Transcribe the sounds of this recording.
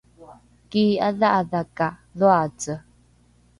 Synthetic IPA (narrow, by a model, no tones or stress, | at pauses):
kiːaðaʔaðakʼaðoat͡sʼə